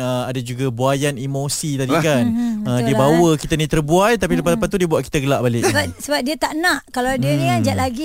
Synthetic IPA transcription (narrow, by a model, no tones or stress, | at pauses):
əadad͡ʒuɡabuajanimosit̪adikanədiəbawəkit̪anĩt̪ərbuajt̪apiləpaəpat̪ːudiəbuaʔki̥t̪aɡəlaʔbalɪbasəbap̚diət̪aʔnãʔkalawdiənĩkand͡ʒaʔlaɡi